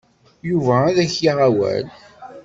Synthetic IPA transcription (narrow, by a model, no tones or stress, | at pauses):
juvææðæçjiʁawæ̰l